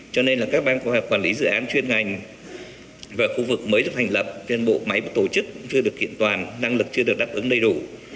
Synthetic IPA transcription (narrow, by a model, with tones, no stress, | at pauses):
t͡ɕɔ˧ne˧nlaː˨˩kaː˦˥k̚ɓaː˧nkə˧whɔː˨˩kwaː˨˩nli˨˦zɨ̰˧˨ʔaː˨˦nt͡ɕwi˧ənŋa˨˩jŋ̟ | vaː˨˩xu˧vɨ˨˩k̚məː˨˦jɗk̚t̪ʰŋ̟lə˨˩p̚t͡ɕe˧nɓo̰˧˨ma˨˦jɓa˧˩t̪o˧˩t͡ɕɨ˦˥k̚ʊ̰˧˥ŋ͡mt͡ɕɨ˧əɗɨ˨˩əkːḭ˧˨ənt̪waː˨˩nːa˧ŋlɨ˨˩k̚t͡ɕɨ˧əɗɨ˨˩ək̚ɗaː˦˥p̚ʔɨ˨˦ŋɗə˧jɗu˧˩